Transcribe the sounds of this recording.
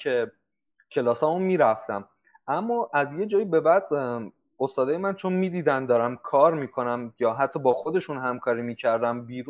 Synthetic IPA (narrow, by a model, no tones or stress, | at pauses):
cʰe̞ | cʰe̞lɒːsɒːmunmiːɾæft̪æm | ʔæmːɒʔæzje̞d͡ʒɒːjibe̞bæd̪ | o̞st̪ɒːd̪ɒːjemænt͡ʃʰo̞nmiːd̪iːd̪ænd̪ɒːɾæmkʰɒːɾmiːkʰo̞næmjɒːɦæt̪ʰːɒːbɒːxo̞d̪e̞ʃunɦæmkʰɒːɾiːmiːcʰæɾd̪æmbiːɾu